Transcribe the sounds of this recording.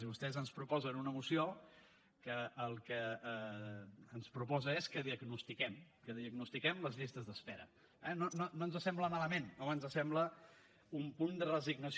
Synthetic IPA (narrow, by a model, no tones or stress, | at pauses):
iβust̪ɛzənspɾupɔzənunəmusio | kəːlˠkə | nspɾupɔzəeskəðiəɡnust̪ikɛm | kəðiəɡnust̪ikɛmləzʎist̪əzðəsfɛɾə̰ | ɛnononoənzəsɛmbləmaləmẽnoənzəsɛmblə | umpund̪ərəziɡnəs